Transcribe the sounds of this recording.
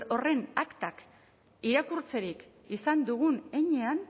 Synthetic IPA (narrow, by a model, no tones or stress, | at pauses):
ore̞nakt̪ak | iɾakuɾt͡se̞ɾik | isand̪uɣ̞une̞ɲe̞an